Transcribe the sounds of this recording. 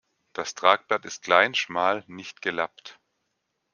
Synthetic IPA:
d̥astʁ̥aːk̚b̥latɪst̚klaɪnʃmaːlnɪçt̚ɡ̥əlapt

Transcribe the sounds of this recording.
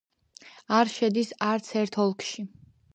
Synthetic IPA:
aɾʃɛd̪isaɾt̪sʰɛɾt̪ʰɔlˠkʰʃi

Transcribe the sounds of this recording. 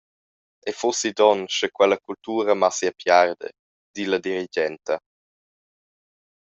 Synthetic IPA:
ɛfosid̪ɔnʃɛkwɛlakultuːɾəmasiapjard̪ə̰ | dilad̪iɾid͡ʒɛnt̪ɐ

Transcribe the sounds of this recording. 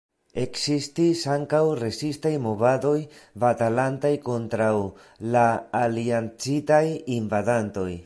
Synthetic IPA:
e̞ksistisaŋkawɾe̞sistajmo̞vado̞jvatalantajko̞ntɾaw | laːliant͡sitajinvadanto̞j

